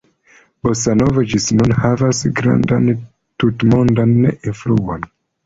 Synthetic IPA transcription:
bosanovad͡ʒisnɔ̃nhavasɡɾã̰ndan | tutmɔ̃ndanːeĩnfluãn

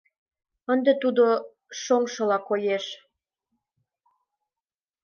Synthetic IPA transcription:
ənd̪et̪ud̪o | ʃoŋʃɤ̆lɑkojeʃ

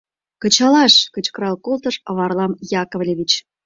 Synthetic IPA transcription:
kə̆t͡ɕɑlɑʃkət͡ɕkəɾɑlkolt̪əʃəβɑrlɑmjɑkŏvlʲeβit͡ɕ

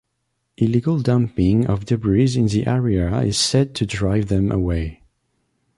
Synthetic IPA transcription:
ʔɪliɡəlˠdãmpɪ̃ŋʌ̰vdɨbɹizɪ̃nðiʔɛɹiɨɪ̰z̥sɛd̚tʰɨdɹaɪvðɨ̃mʔə̰weɪ

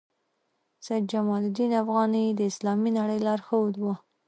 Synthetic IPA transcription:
sajd̪̚d͡ʒamɑld̪inafɣɑnid̪əɪslɑminaɽəjlɑɾxəwud̪wa

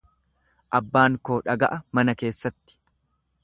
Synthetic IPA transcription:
ʔɐbːaːŋkoːᶑɐɡɐ̰ʔɐmɐnɐke̞ːsːɐt̪ːɪ̥

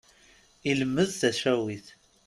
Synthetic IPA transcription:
iləmːəðθæʃæwiθ

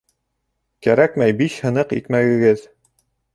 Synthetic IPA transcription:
kæɾækmæjbiʃhɤ̆nɤqḭt̪mæɡɘ̆ɡɘð

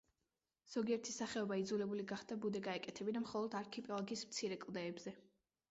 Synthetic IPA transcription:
z̥ɔɡiɛɾt̪ʰisaχɛɔbaid̪zulɛbuliɡaχd̪̥abud̪ɛɡaɛkʼɛt̪ʰɛbinamχɔlˠɔd̪aɾkʰipʼɔlˠɔɡiːsmt̪sʰiɾɛkʼlˠd̪ɛːbzɛ

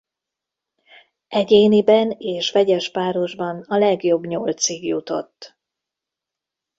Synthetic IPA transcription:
ʔɛɟeːnibɛneːʃʋɛɟɛʃpaːɾo̞ʒbɒnɒlɛɡjo̞bɲolt̪siɡjut̪o̞̰t̪ː

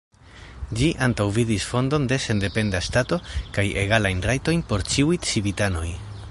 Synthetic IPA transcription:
d͡ʒiʔantawvidisfo̞ndo̞nde̞se̞nde̞pe̞ndastato̞kaje̞̰ɡalajnrajto̞jnpo̞ɾt͡ʃiwitsivitano̞j

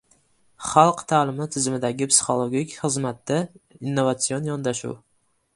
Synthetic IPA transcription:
χɑlˠqt̪ʰaːlˠɪmɪt̪ʰɪzɪmɪd̪aɡʲɪpsi̥χo̞lˠoɡʲikʲχɨzmat̪ːainːo̞vat̪sionjɒnd̪aʃṵw

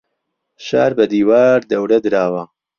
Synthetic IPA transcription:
ʃa̰ːɾbɐd̪iːwaːɾd̪ɐwɾɐd̪ɨɾaːwɐ

